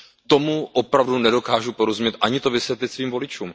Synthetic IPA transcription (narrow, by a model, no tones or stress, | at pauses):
t̪o̞muʔopɾavdunɛdo̞kaːʒupo̞ɾozumɲɛt̪ʔaɲɪt̪o̞vɪsvjɛt̪lɪt̪sviːmvo̞lɪt͡ʃuːm